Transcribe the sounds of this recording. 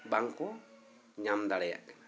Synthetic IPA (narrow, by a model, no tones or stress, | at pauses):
baŋkɔ | ɲamd̪aɾɛja̰ʔkn